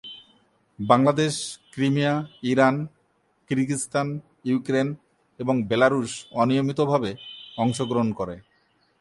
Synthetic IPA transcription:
baŋlad̪eʃkɾimijaiɾan | kiɾkist̪an | jukɾen | eboŋbelaɾuʃɔnijomit̪obʱabeɔŋʃoɡɾoɦonkoɾe

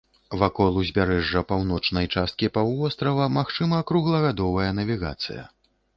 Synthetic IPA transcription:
vakɔlˠuzʲbʲaɾɛʐːɐpawnɔt͡ʂnɐjt͡ʂast̪̚kʲipawɔst̪ɾɐvɐmaxt͡ʂɨmɐkɾuɣlˠɐɣad̪ɔvɐjɐnɐvʲiɣa̰t̪sɨ̰jɐ̰

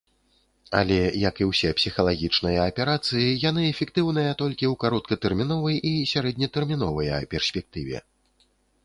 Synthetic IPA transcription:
ɐ̰lʲɛjɐkiwsʲɛpsʲixɐlˠaɣʲit͡ʂn̪ɐjɐːpʲɛɾat̪sɨjijan̪ɨɛfʲɛkt̪ɨwn̪ɨjɐt̪ɔlʲkʲiwkaɾɔt̪̚kɐt̪ɛrmʲinɔvɐjisʲaɾɛd̪ʲnʲɐt̪ɛrmʲin̪ɔvɐjɐpʲɛrsʲpʲɛk̚t̪ɨvʲɛ̰

